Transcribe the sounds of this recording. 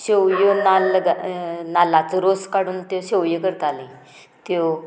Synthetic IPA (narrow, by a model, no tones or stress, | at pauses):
ɕewjənalɡanalat͡səɾoskaɽuːnt̪joɕewjəkəɾt̪alĩ | t̪jo